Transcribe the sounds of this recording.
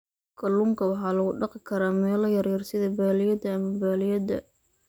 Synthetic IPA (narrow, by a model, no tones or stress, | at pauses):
kʰɐluŋkʰɐwɑħɑːlɐɣʊɖɑqɪkʰɐɾaːmɛːlɐjɐɾjɪrsɪðɐbaːlɪjɐd̪ɐːmɐbaːlɪjɐd̪ɐ̰